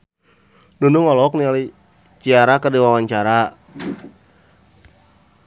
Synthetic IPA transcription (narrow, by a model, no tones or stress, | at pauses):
nunuŋɔlɔk̚niali | t͡ʃiaɾakərdiwawaɲt͡ʃaɾa